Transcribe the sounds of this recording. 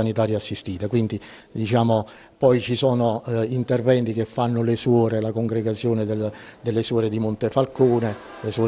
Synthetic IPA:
anit̪aːɾjaasːist̪iːt̪akwint̪i | d̪it͡ʃaːmo | pɔjt͡ʃisɔːnoint̪ɛrvɛnt̪ikefːanːʊleswɔːɾelakoŋɡɾeɡat̪sːjoːned̪eld̪elːesɔːɾed̪imʊnt̪efalkoːne | lesɔː

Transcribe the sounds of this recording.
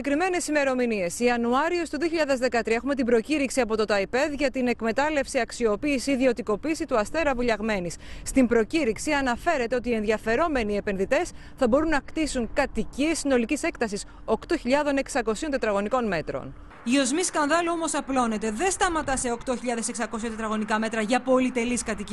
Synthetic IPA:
ekɾime̞ne̞sime̞ɾo̞minie̞siɐnuɐɾiost̪uðioçiʎɐðe̞zðe̞kɐt̪ɾiɐe̞xume̞t̪̬ibɾo̞ciɾiksiɐpo̞t̪o̞t̪ɐipe̞ðʝɐt̪ine̞kme̞t̪ɐle̞fsiɐksio̞piːsiːðio̞t̪iko̞piːsit̪uɐst̪e̞ɾɐvuʎɐɣme̞nisst̪imbɾo̞ciɾiksiɐnɐfe̞ɾe̞t̪e̞o̞t̪ie̞nðʝɐfe̞ɾo̞me̞nie̞pe̞nðit̪e̞s | θɐbo̞ɾunːɐkt̪isuŋkɐt̪iciesino̞licise̞kt̪ɐsis | o̞kt̪o̞çiʎɐðo̞ne̞ksɐko̞siot̪e̞t̪ɾɐɣo̞niko̞nme̞t̪ɾo̰n | io̞zmiskɐnðɐlomo̞sɐplo̞ne̞t̪e̞ðenst̪ɐmɐt̪ɐse̞okt̪o̞çiʎɐðe̞seksɐko̞siot̪et̪ɾɐɣo̞nikɐme̞t̪ɾɐʝɐpo̞lit̪e̞liskɐt̪ici

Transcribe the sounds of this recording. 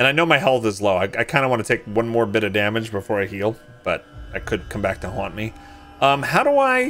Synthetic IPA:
ɨ̃ñaɪnoʊmaɪɦɛlˠθɨzloʊaɪaɪkʰãɪ̃ndəwɑ̃nɨtʰeɪk̚wʌ̃nmɔɹbɪɾʌvdæmɨd͡ʒbəfɔɹaɪhilˠ | b̥ʌɾaɪkʰɨd̚kʰʌ̃mbæk̚tʰəhɑ̃nmi | ʌ̃mhaʊɾəaɪ

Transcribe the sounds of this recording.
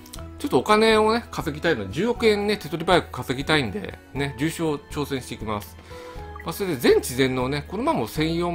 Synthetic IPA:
t͡ɕo̞t̪ːoːkane̞o̞ne̞kazɨɡʲt̪ainoed͡ʑɨːo̞kɯ̟ẽ̞nːe̞t̪e̞t̪o̞ɾʲibajkɯ̟̥kazɨɡʲit̪aĩnd̪e̞̰ne̞d͡ʑɨːɕo̞ːt͡ɕo̞ːsẽ̞ɕi̥t̪eikʲimasɨ̥maso̞ɾed̪e̞zẽ̞ɲ̟t͡ɕizẽ̞nːo̞ne̞kono̞mamo̞sẽ̞ɰ̃jo̞ː

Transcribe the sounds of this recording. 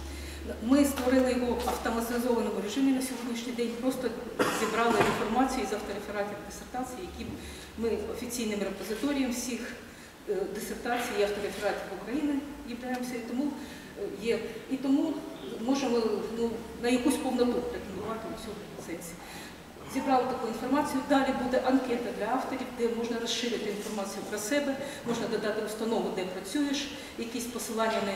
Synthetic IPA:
mɪst̪ʋɔɾɪlˠɪjɔɦɔɐwt̪ɔmɐt̪zɔʋɐnɔmʊɾʲeʒɪmʲinɐsʲiɦunʲiʃnʲijd̪ɛnʲpɾɔst̪ɔzʲibɾɑlˠɪinfɔrmɑt͡sʲijʊizɐwt̪ɔɾefeɾɑtʲimd̪esert̪ɑt͡sʲijijɐkʲib | mɪɔfʲit͡sʲijnɪmɾepɔzɪt̪ɔɾʲijɐmwsʲix | d̪esert̪ɑt͡sʲijiɐwt̪ɔɾefeɾɑtʲɪkʊkɾɐjinɪzʲibɾʲɑjɪmɔsʲɐit̪ɔmu | jɛit̪ɔmumɔʒemɔnunɐjɐkusʲpɔwnɐpɔɦlʲɐt̪mʊlˠʊʋɑt̪ɪʊsʲɔd̪ɔt̪sɛnʲsʲi | zʲibɾɑlˠɐt̪ɐkuinfɔrmɑt͡sʲijʊd̪ɑlʲibud̪ɛʔɐnkɛt̪ɐd̪lʲɐɑft̪ɔɾʲiwd̪ɛmɔʒnɐɾɔsʃɪɾɪt̪ɪinfɔrmɑt͡sʲijʊpɾɐsɛbɛ | mɔʒnɐd̪ɐd̪ɑt̪ɪʊst̪ɐnɔʋʊd̪ɛpɾɐt͡sʲujeʃ | jɐkisʲpɔsɪlˠɑnʲːɐnɐ

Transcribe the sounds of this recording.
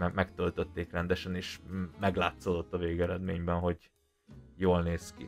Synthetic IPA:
ɛmɛkt̪ølt̪øt̪ːeːkrɛnd̪ɛʃɛneːʃmɛɡla̰ːt̪sod̪o̞t̪ːɒveːɡɛɾɛd̪meːɲbɛnɦo̞ɟ | joːlneːskḭ

